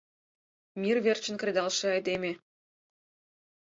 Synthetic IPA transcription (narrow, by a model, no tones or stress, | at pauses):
mirβert͡ɕə̆nkred̪ɑlʃĕɑjd̪eme